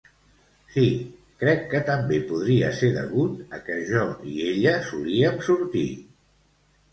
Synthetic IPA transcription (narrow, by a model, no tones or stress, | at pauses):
si | kɾɛkːət̪əmbepuð̞ɾiə̰seɾðə̰ɣut̪əkəʒɔieʎəsuliəmsuɾt̪ḭ